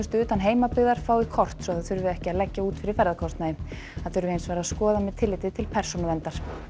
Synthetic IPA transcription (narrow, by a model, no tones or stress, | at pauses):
st̪ʏːt̪anɦeːjmapɪɣðaɾ̥faːwɪkʰɔr̥t̪sɔθaðθʏɾvɪɛhcɪaðlɛcːauːt̪fɪɾɪɾ̥fɛɾðakʰɔst̪najɪm | aðθʏɾvɪejnsvɛːɾaðskɔːðamɛðt̪ʰɪlːɪːt̪ɪt̪ʰɪlpʰɛr̥sɔnaðɛnt̪aɾ̥